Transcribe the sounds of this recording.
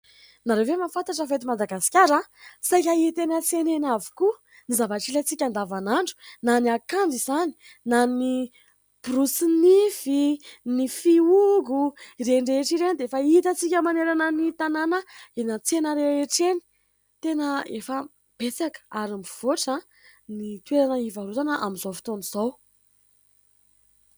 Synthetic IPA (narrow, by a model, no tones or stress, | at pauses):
naɾevemafant̪aʈ͡ʂəfet̪imad̪aɡasi̥kʲaɾasajk̬ʲəit̪enət͡senenavi̥ku | nizavaʈ͡ʂilat͡sikʲand̪avanaɳɖ͡ʐu̥naniakand̪iz̥ani̥ | nanni | b̥rusnifinifiuɡuɾeɳɖ͡ʐeʈ͡ʂiɾenid̪eefəit̪ət͡sikʲəmaneɾanənit̪ananəenət͡senəɾeeʈ͡ʂeni̥ | t̪enəefə | b̥et͡sakə̥aɾambiv̥oʈ͡ʂa | nit̪weɾanəivaɾut̪anəʔamizofi̥t̪onizow